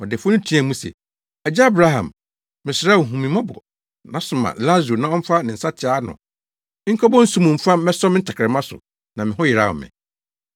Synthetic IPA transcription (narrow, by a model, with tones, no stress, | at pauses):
ɔ˨dɛ˨fʊ˦ʊ̃˦tʰĩ˦ã˨mũ˦sḛ˨ | ɛ˨d͡ʑɛ˦a˦bɾa˦hã̰˨mː | ɪ̃˨sɾa˦˨ɦũ˨mĩ˨mã˦bɔ̰˨ | nã˨sʊ˨mã̰˨la˦zu˨nã˦ɔ̃˦m̩˦fa˦nɪ̃˨n̩˨sa˦tʰɪ˨a˦nʊ̰̃˨˦ | ŋ̩˦kʰɔ˦bɔ̃˦n̩˦sũ˦mũ˨m̩˨fã˦mɛ̃˦sɔ˦mɪ̃˦n̩˦tʰa˨kʰɾɛ˨˦mã˦sʊ̰˨ | nã˨mɪ̃˨ɦʊ̃˦jɪ˨ɾa̰˦˨mɪ̰̃˨